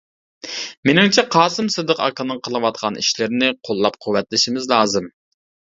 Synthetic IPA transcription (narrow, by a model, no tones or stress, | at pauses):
menɪŋt͡ʃʰɛqʰɑːsɨmsɨd̪əqɑ̰kɑnɨŋqʰəlˠɨwɑt̪̚qʰɑnʔḭʃlɪɾnɪqʰolˠːɑp̚qʰuwːɛt̪lɪʃimɪzlˠɑːzɨm